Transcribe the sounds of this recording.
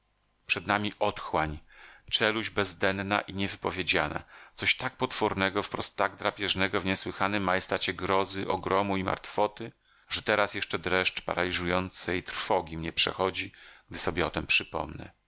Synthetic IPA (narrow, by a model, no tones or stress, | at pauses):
pʂɛd̪namʲiʔɔt̪xwaɲt͡ʂɛluʑbɛzd̪ɛnna̰ʔiɲɛvɘpɔvʲjed͡ʑana̰t̪sɔɕt̪ak̚pɔt̪fɔɾnɛɡɔfpɾɔst̪ːaɡd̪ɾapʲjɛʐnɛɡɔvɲɛswɘxanɘmːajɛst̪at͡ɕɛɡɾɔzɘʔɔɡɾɔmuima̰ɾt̪fɔt̪ɘ | ʐ̥ɛt̪ɛɾasjɛʂt͡ʂɛd̪ɾɛʂt͡ʂpa̰ɾʔalʲiʐujɔnt̪sɛjt̪ɾfɔɡʲimɲɛpʂɛ̰xɔd͡ʑiɡ̥̚d̪ɘsɔbʲjɛɔt̪ɛmpʂɘpɔ̰mnɛ̰